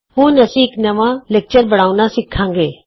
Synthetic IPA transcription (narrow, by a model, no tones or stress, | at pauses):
ɦũːnɐsiːknɐʋãːlek̚t͡ʃəɾbɐɽ̃aːunãːsɪkʰːãːŋɡeː